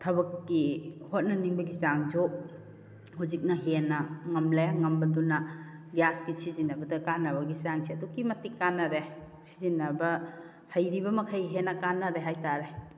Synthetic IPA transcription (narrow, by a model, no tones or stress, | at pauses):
tʰɐbɐkːihot̚nɐniŋbɐɡisaŋd͡ʒo | huzik̚nɐɦenɐŋɐmlajaŋɐmbɐdunɐ | ɡjaskisizinɐbɐdɐkanːɐbɐɡisaŋsiɐdukimɐtikːanːɐɾe | si̥zinːɐbɐ | hɐjɾibɐmɐkʰɐjɦenɐkanːɐɾeɦajtaɾe